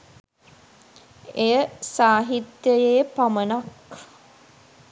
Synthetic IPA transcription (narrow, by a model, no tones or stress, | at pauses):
ejəsaːɦit̪jəjeːpamənak